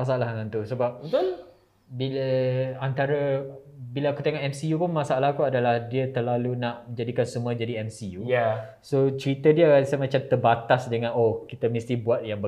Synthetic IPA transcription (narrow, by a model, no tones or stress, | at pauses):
mas̬aalahkant̪usəbap̚əl | biləant̪aɾəbilaakut̪eŋɔʔɛmsijupʊnmasaalahkuadalahdiət̪ərlalunaʔmə̃ɲd͡ʒadikansəmũəd͡ʒadiɛmsijuja | sot͡ʃəɾit̪ədiəsəmãt͡ʃamt̪ərbat̪asdəŋãnokit̪əmist̪ibuat̪̚jaŋbə